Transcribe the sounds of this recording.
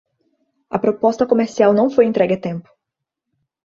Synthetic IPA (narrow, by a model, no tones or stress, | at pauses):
ɐ̰pɾopɔst̪ɐkomeɾsiawnɐ̃w̃fojẽnt̪ɾɛɡɪɐt̪ẽmpʊ̥